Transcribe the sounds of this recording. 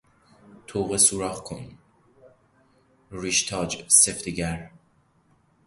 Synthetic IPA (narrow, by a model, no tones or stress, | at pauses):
t̪ʰoːʁesuɾɒːχkʰon | riʃt̪ʰɒːd͡ʒseft̪iɟæɾ